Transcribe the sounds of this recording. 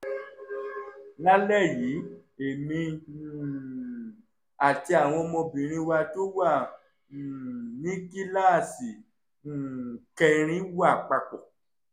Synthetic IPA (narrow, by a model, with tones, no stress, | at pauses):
la˦lɛ˦˨ji˨˦e˨nĩ˧˨ | a˨ti˧a˨w̃ɔ̃˧mõ˧bĩ˨ɾ̃ĩ˧wa˧to˦wa˦˨ | nĩ˦ki˦la˦˨si˨ | kɛ˧ɾ̃ĩ˦wa˦˨k͡pa˧k͡pɔ˨